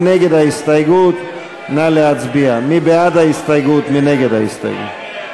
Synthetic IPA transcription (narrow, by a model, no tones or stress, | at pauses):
neɡed̪aist̪ajɡuːt̪ | nalead͡zbiamibead̪aist̪ajɡuːt̪mineɡed̪a̰ḭst̪a̰jɡṵ